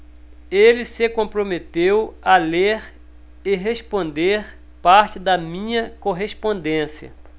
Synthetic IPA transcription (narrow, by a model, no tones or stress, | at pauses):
elɪsɪkõpɾomet̪ewɐleɾ | eɦespõnd̪eɾ | paɾt͡ʃɪd̪ɐmĩɲɐkoɦespõnd̪ẽsiɐ̰